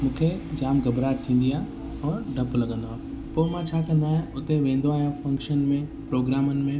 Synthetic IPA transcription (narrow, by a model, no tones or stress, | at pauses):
mũːkʰed͡ʑaːmɡɐbɾaːɾt̪ʰĩːn̆d̪ijaː | ɔːɾɖɐplɐɡə̃nd̪oaː | poːmãt͡ɕʰaːkɐ̃nd̪aːɦjẽʊt̪eʋẽːn̆d̪oaːɦijãfɐ̃ŋkʃənmẽpɾoːɡɾaːmənɪ̆mẽ